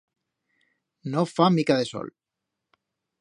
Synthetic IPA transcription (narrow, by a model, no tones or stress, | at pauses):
nofamikaðeso̰l